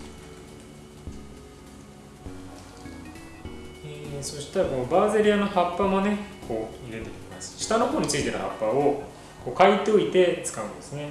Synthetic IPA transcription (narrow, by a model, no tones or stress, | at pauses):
eso̞ɕi̥t̪aɾko̞baze̞ɾʲiano̞hapːamo̞ne̞kʰo̞ːiɾe̞t̪e̞t̪ʲe̥imasɨ̥ɕi̥t̪ano̞ɦoːɲ̟it͡sɨit̪e̞ɾ̰ha̰pːao̞ | ko̞ːkait̪eo̞it̪e̞t͡sɨ̥kaɯ̃d̪esɨne̞